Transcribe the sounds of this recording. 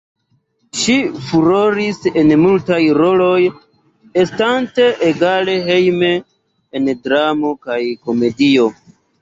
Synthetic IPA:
ʃifuɾo̞ɾise̞nmultajɾo̞lo̞j | estante̞ʔeɡale̞ɦe̞jme̞ː | ndɾamo̞kajko̞me̞dio̞

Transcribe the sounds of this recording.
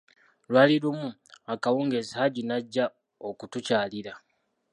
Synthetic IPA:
lwaːliɾumuakawuːŋɡezihaɟinaɟːa | okutucaːliɾa

